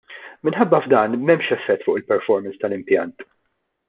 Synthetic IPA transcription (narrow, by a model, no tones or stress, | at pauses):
mɪnħɐbːɐvd̪ɐːnmɛmʃɛfːɛt̪ːfʊːʔɪlpɛɾfɔɾmɛnst̪ɐlɪmpjɐnt̪